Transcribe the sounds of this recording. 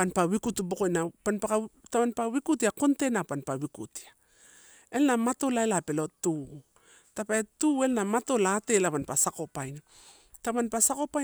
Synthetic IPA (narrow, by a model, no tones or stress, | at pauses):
panpawikutubokojnapanpakataβanpawikutiako̞nte̞napanpawikṵti̥a | e̞lnamato̞laelape̞lo̞tu | tapaetue̞lnamato̞laːte̞laβanpasako̞pajna | taβanpasako̞pa